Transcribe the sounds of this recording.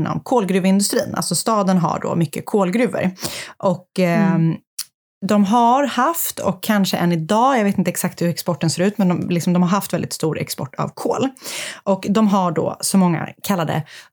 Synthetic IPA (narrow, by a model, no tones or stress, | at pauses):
nːɔ̰mkʰoːlɡɾʉ̟ːvɪnd̪ɵst̪ɾḭːnʔa̰lsɔst̪ɑːd̪ənɦa̰ɖo̰ːmʏkːəkʰoːlɡɾʉ̟ːvə̰ɾʔɔkː | d̪ɔmɦaɾhaft̪ʰɔ̰kʰːanʂəʔɛnːɪd̪ɑːjaɡveːt̪ɪnt̪əɛksak̚t̪hɵɾɛkspɔʈːənseːɾʉ̟ːt̪mɛnd̪ɔmlɪksɔmd̪ɔmhaɾɦaft̪vɛld̪ɪt̪st̪uːɾɛ̰kspɔ̰ʈːa̰vkʰoːlʔɔkd̪ɔmɦaɖɔ̰sɔmɔŋːa̰kʰalːad̪ə̰